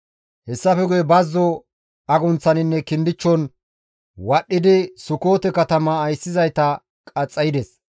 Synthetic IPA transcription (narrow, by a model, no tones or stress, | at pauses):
hɛsːɐfɛɡʊjɛbɐzːɔ | ɐɡʊnt͡sːɐnɪnːɛkɪnd̪ɪt͡ʃːɔn | wɐɗːɪd̪ɪsʊko̞ːt̪ɛkɐt̪ɐmɐːjsːɪzɐjt̪ɐ | kʼɐt͡sʼːɐjɪd̪ɛs